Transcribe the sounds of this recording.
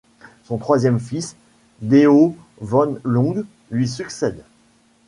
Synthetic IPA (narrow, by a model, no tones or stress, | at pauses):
sɔ̃t̪χwazjɛmfis | d̪eo | vɔnlɔ̃ɡ | lɥis̬yksɛd̪